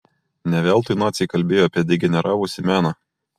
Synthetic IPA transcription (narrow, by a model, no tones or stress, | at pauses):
nʲɛʋʲɛːlˠt̪ʊɪnɑːt̪sʲiɪkɐlʲbʲeːjoɐpʲiɛd̪ʲɪɡʲɛnʲɛɾʔɑːʋʊsʲɪmʲæːnɑ